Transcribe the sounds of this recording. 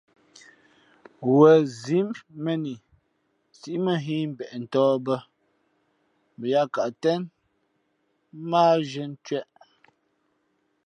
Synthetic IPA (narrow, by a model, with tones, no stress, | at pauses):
wə˨zi˨˦mmə˦ni˨ | si˦ʔmə˦ɦi˦m̩˨bɛ˨ʔn̩˨tɔː˦bə˦ | bə˨ja˦ka˨ʔtɛ˦n | maː˦ʒə˦n˦t͡ʃɥɛ˦ʔ